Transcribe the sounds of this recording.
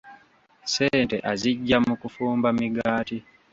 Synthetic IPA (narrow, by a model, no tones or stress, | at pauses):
seːnte̞ʔaziɟːamukufuːmbamiɡaːti